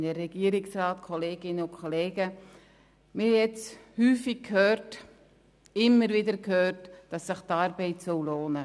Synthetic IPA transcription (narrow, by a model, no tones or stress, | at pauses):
nərɛɡ̥iəɾɪksrɑːtkʰɔleːɡ̥ɪnəʊnkʰχɔleːɡə | mɪhɛjɛt͡shyːfɪɡkʰhøːrt | ɪmːəɾvɪdəɾkhøːrtd̥ɑsːɪχtɑɾbɛɪtsɔwloːnə